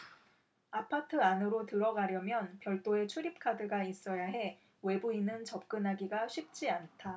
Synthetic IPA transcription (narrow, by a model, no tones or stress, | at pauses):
apʰatʰɯanɯɾotɯɾʌɡaɾjʌmjʌnpjʌɭt͈oe̞t͡ɕʰuɾip̚kʰadɯɡais͈ʌjaɦe̞ | we̞buinːɯnt͡ɕʌp̚k͈ɯnɦaɡiɡaɕʰip̚t͡ɕ͈iantʰa